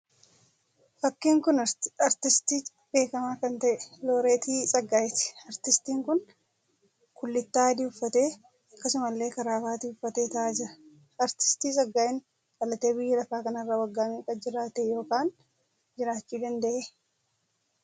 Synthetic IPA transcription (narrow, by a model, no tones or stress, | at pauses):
fɐkːiːŋkʊnɐɾt̪ɪst̪iː | b̥e̞ːkɐmaːkɐnt̪ɐʔɛ̥lo̞ːɾe̞ːt̪iːsʼɐɡːaːjɛt̪ɪ̥ɐɾt̪ɪst̪iːŋkʊn | kʊlːɪt̪ːaːd̪iːʊfːɐt̪e̞ː | ɐkːɐsʊmɐlːe̞ːkɐɾaːfaːt̪iʊfːɐt̪eːt̪ɐʔaːd͡ʒɪɾɐ̥ | ɐɾt̪ɪ̥st̪iːsʼɐɡːaːʔɪŋ | kʼɐlɐt̪e̞ːbɪjːɛlɐfaːkɐnɐrːawɐɡːaːmikʼɐd͡ʒɪɾaːt̪ɛjo̞ːkaːn | d͡ʒɪɾaːt͡ʃːuːd̪ɐnd̪ɐʔeː